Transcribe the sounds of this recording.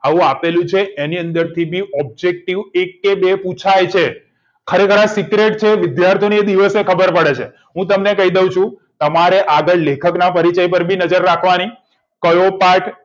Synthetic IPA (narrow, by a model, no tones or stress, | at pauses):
aʋũapelũt͡ʃʰeʔeniənd̪əɾt̪ʰibʱiɔb̚d͡ʒek̚ʈiʋekːebeput͡ʃʰajt͡ʃʰe | kʰəɾekʰəɾãsikɾeʈt͡ʃʰeʋɪd̪jaɾt̪ʰijonied̪iʋəsekʰəbəɾpəɽet͡ʃʰe | ɦũt̪əmnekəid̪eũt͡ʃʰũ | t̪əmaɾeʔaɡəɭlekʰəknapəɾit͡ʃajpəɾbʱinəd͡ʒəɾːakʰʋani | kəjopaʈ